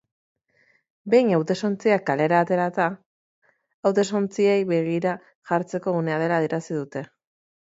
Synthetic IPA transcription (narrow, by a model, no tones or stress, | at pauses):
be̞jɲawt̪e̞so̞nt͡siakːale̞ɾaːt̪e̞ɾat̪a | awt̪e̞so̞nt͡siejβe̞ɣ̞iɾa | ʝaɾt͡se̞ko̞ɣune̞að̞e̞laːðiɾasiðut̪e̞